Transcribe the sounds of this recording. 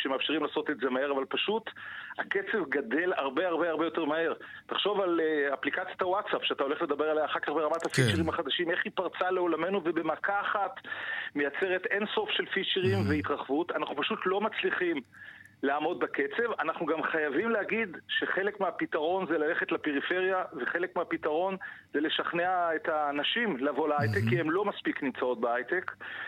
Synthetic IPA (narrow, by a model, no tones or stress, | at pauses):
ʃemeafʃiʁimlaːso̞t̪e̞tze̞mae̞ʁavalpaʃut̪ake̞t͡se̞vɡad̪e̞laʁbe̞aʁbe̞aʁbejo̞te̞ʁmae̞ʁ | taχʃo̞valaplikat͡sjatawatsapʃeat̪ao̞leχle̞d̪abe̞ʁalajaχakaχbeamat̪hafit͡ʃeʁimaχad̪aʃime̞χipaʁt͡saleo̞lame̞nuvebe̞makaːχat̪mejat͡se̞ʁet̪e̞nso̞fʃe̞lfit͡ʃeʁimveit̪ʁaχvut̪anaχnupaʃutlo̞mat͡sliχim | leːmo̞d̪̚bake̞t͡se̞vanaχnuɡamχajavimlehaɡid̪ʃe̞χe̞le̞kmeapit̪aʁo̞nzelale̞χe̞tlapeʁife̞ʁjave̞χe̞le̞kmeapit̪aʁo̞nzele̞ʃaχneaet̪aːnaʃimleavo̞laajt̪ekːiemlo̞maspiknimt͡sao̞t̚beajt̪ek